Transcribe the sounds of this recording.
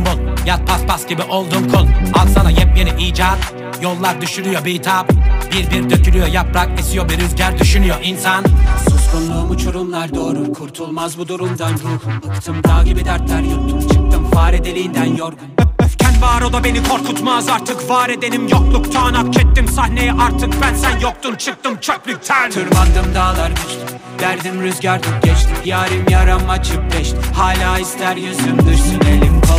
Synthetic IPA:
mbulˠjat̪̚pʰaspʰasɟibiʔo̞lˠd̪umkʰulˠazsanajɛp̚meniʔiːd͡ʒad̪ | jolˠːaɾd̪yʃyɾyjobit̪ʰabbiɾbiɾd̪øcʰylʲyjojapɾakisijobiɾyzɟæɾd̪yʃynyjoʔinsansuskunlˠuːmut͡ʃʰuɾumlˠaɾd̪oːɾukʰuɾt̪ʰulˠmazbud̪uɾumd̪anɾuhˠɯkt̪ʰɯmd̪aːkibɛd̪æɾt̪lʲæɾjok̚t̪ʰumt͡ʃʰɯk̚t̪ʰɯmvaːɾɛd̪elʲiːnd̪ænjoɾumcʰænvaːɾod̪ˠabe̞nikʰo̞ɾkʰut̪mazaɾt̪ʰɯkvaːɾed̪e̞nimjoklˠukt̪ʰaːnak̚t͡ʃʰɛt̪ːimsahne̞jɛʔaɾt̪ʰɯk̚bænsænjok̚t̪umt͡ʃʰɯk̚t̪ɯmt͡ʃʰøplʲyc̪̚ʲʰt̪ʰɯɾmad̪ɯmd̪aːlˠaɾbyt͡ʃt̪ʰ | væɾd̪imɾøzɟaɾd̪ʰup̚ɟɛt͡ʃt̪ʰimjaːɾɯmjaɾamːat͡ʃʰɯp̚bɛʃt̪ihaːlʲaːist̪ʰæɾjøzlymd̪ɯʃsɯnelʲimkʰo

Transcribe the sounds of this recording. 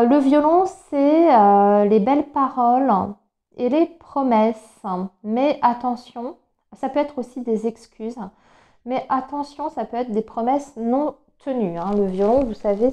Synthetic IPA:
ləvjɔlɔ̃sɛølebɛlpaʁɔl | elepχɔmɛs | mɛʔat̪ɑ̃sjɔ̃ | sapøɛt̪χosid̪ezɛkskʲyz | mɛʔat̪ɑ̃sjɔ̃sapøɛt̪χd̪epχɔmɛsnɔ̃ | t̪ənyɛ̃ləvjɔlɔ̃vusave

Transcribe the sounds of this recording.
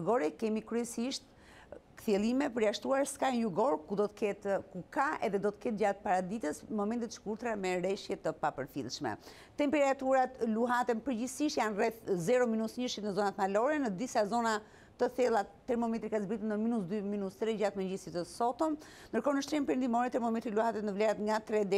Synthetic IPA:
ɡɔɾɛkɛmikɾyɛsiʃt̪ | kθɛlˠimɛpəɾjaʃt̪uaɾskajnjuɡɔɾkud̪ɔt̪ə̥kɛt̪kukaʔɛ̰ðɛd̪ɔt̪ə̥kɛt̪̚d͡ʑat̪paɾad̪it̪əsmɔmɛnt̪it̪ʃkuɾt̪ɾamɛɾɛʃjɛt̪əpapəɾfḭlˠʃmɛ̰ | t̪ɛmpɛɾat̪uɾat̪luɦat̪ɛnpəɾd͡ʑisiʃjanrɛθzɛɾɔminusɲəʃit̪nəzɔnat̪malɔɾɛnəd̪isazɔna | t̪əθɛlˠat̪ːɛɾmɔmɛt̪ɾikazbɾit̪ənəminusd̪yminust̪ɾɛd͡ʑat̪məɲd͡ʑisit̪əsɔt̪ɔm | nd̪əɾkɔnəʃt̪ɾinpəɾənd̪imɔɾɛt̪ɛɾmɔmɛt̪ɾiluhat̪ɛt̪nəvlɛɾat̪ŋɡat̪ɾɛd̪ɛ

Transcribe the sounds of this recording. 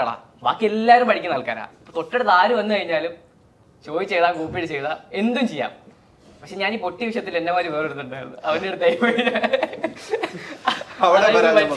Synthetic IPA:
ɭa̰ː | ba̰ːkːɨe̞lːaːɾumpɐɽikʲːɨnɐlka̰ːna̰ːpːot̪oʈːeɽet̪aːɾuʋɐnːɨkɐɻiɲːaːlum | t͡ɕo̞ːjit͡ɕːe̞jðaːŋkuːpːiɽɨt͡ɕe̞jðaːe̞nd̪umt͡ɕejːa̰ːm | pɐkʂe̞ɲaːniːpo̞ʈːiʋiʂ̬jɐt̪ːilenːɐmaːɾuʋeːriɽut̪ːuɳɖaːjɾunːɨ̰ɐʋɐniɽɨt̪ɐjpɐiɾɐ | ɐaɐɐ

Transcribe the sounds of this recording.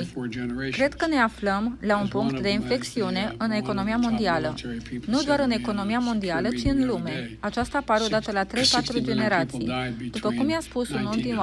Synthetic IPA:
kɾe̞d̪̥kəne̞afləmlaunpuŋkt̪d̪e̞infle̞k̚t̪siune̞ʔɨne̞ko̞no̞mijamo̞nd̪ialə̰nud̪oaɾɨne̞ko̞no̞mijamo̞nd̪ialət͡ʃiɨnlume̞at͡ʃast̪apaɾeo̞d̪at̪əlat̪ɾe̞jpat̪ɾud͡ʒe̞ne̞ɾat̪sḭjd̪̥upəkumjaspusununt̪in

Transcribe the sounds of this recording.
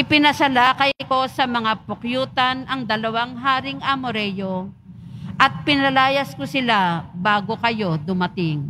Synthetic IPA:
ʔɪpɪnɐsɐlaːkɐjko̞sɐmɐŋapʊkjuːt̪ɐnʔɐŋd̪ɐlɐwaŋɦaːɾɪŋʔɐmʊɾɛjo̞ | ʔɐt̪̚pɪnɐlaːjɐskosɪlabaːɡo̞kɐjo̞d̪ʊmɐt̪ɪŋ

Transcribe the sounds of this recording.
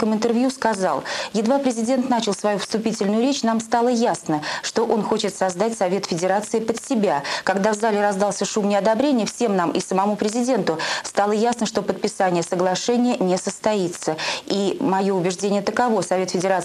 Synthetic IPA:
kəmɨnt̪ɨrvjuskɐzɑlˠjɪd̪vapɾʲɪzʲɪdʲe̞nt̪nat͡ɕɪlˠsvɐjufst̪ʊpʲitʲɪlʲnʊjʊɾʲet͡ɕn̪amst̪ɑlˠəjasnəʂt̪o̞ʔo̞nxo̞t͡ɕɪt̪sɐzd̪atʲsɐvʲe̞t̪fʲɪdʲɪɾat̪sɨɪpət̪sʲɪbʲakɐɡd̪avzalʲɪɾɐzd̪alˠsʲəʂumnʲɪɐd̪ɐbɾʲenʲɪjəfsʲe̞mnamʔɪsəmɐmupɾʲɪzʲɪdʲe̞nt̪ʊst̪ɑlˠəjasnəʂt̪o̞pət̪̚pʲɪsanʲɪjəsəɡlˠɐʂɛnʲɪjənʲɪsəst̪ɐit̪səimɐjo̞ʊbʲɪʐdʲenʲɪjət̪əkɐvo̞sɐvʲe̞t̪fʲɪdʲɪɾa

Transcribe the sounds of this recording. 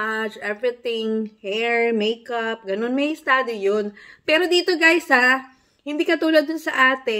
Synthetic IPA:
at͡ʃʔɛvɹɪt̪ɪŋhɛɹmejkɐp̚ɡɐno̞nmɐjɪst̪aːd̪ijonpɛːɾo̞d̪iːt̪o̞ɡajsa | hɪnd̪iːkɐt̪uːlɐɡ̚d̪ʊnsɐʔaːt̪ɛ

